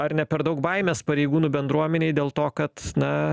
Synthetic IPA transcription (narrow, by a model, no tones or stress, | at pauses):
ɐɾnʲɛpʲɛɾd̪ɐʊk̚bɐɪmʲeːspɐɾʲɛɪɡuːnuːbʲɛnd̪ɾuɔmʲɛnʲeɪdʲeːlˠt̪oːkɐt̪nɐ